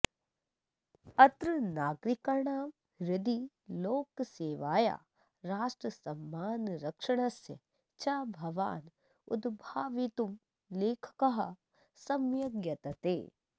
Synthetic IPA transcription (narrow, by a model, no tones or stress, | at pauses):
ɐt̪ɾənaːɡɾikɐɾɳaːm | ɾɪd̪i | loːkseːʋaːja̰ː | ɾaːʃʈɾɐsɐmːaːnɾɐkʂɐɽ̃ɐsjɐ̰ | t͡ʃaːbʱɐʋa̰ːn | ʊ̰d̪bʱaːʋit̪um | leːkʰkɐɦɐ | sɐmjɐɡjɐt̪ɐt̪eː